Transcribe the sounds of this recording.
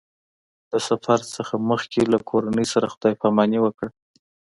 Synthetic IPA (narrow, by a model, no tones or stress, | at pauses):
d̪̥əsafaɾsəxaməxkʰelakʰoɾanəjsaɾaxʊd̪̥ɑjpamɑniwəkɽ